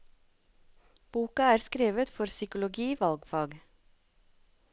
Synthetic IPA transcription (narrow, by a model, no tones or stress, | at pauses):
b̥uːkɑæːɾskɾeːʋət̪fɔɾsʏkʊlʊɡiːʋɑlɡfɑːɡ